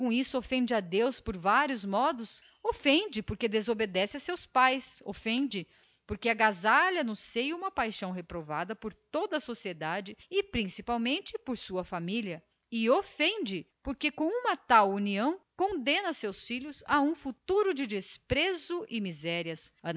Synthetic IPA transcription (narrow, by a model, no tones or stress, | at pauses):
kõisʊofẽnd͡ʒɪad̪ewspoɾvaɾiʊzmɔd̪ʊs | ofẽnd͡ʒɪpoɾked̪ezobed̪ɛsɪɐsewspajso̰fẽnd͡ʒɪ | poɾkeɐɡazaljɐnʊsejũmɐpajʃɐ̃w̃ɦepɾova̰d̪ɐpoɾt̪od̪ɐsosied̪ad͡ʒɪɪpɾĩsipawmẽnt͡ʃɪpoɾsuɐfamiliɐ | ɪofẽnd͡ʒɪpoɾkekõũmɐt̪awuniɐ̃w̃kõnd̪ẽnɐsewsfiʎʊsaũfut̪uɾʊd͡ʒɪd͡ʒɪspɾezʊʔɪmizɛɾiɐsɐ